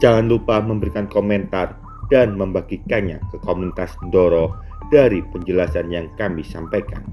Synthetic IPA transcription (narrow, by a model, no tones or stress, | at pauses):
d͡ʒaŋanlupahməmbəɾikankomɛnt̪ar | d̥anməmbaɡikanɲakəkomunit̪asndɔɾɔ | d̥aɾipəɲd͡ʒəlasanjaŋkamisampajka̰n